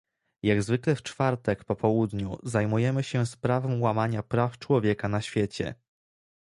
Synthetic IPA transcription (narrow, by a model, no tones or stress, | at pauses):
jaɡzvɘklɛft͡ʂfaɾt̪ɛkpɔpʰɔwud̪ɲṵzajmujɛmɘɕɛspɾavɛmwamaɲapɾaft͡ʂwɔvʲjɛkanaɕfʲjɛt͡ɕɛ̰